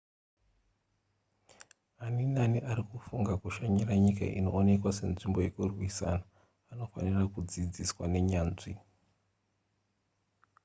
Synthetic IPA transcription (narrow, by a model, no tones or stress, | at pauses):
aninaniʔaɾikufuŋɡakuʃaɲiraɲika̰ʔḭno̞̰ːne̞kwase̞̰nʐimbo̞je̞kurwisa̰naː | no̞fa̰nirakud͡zid͡ziswane̞ɲaːnʐi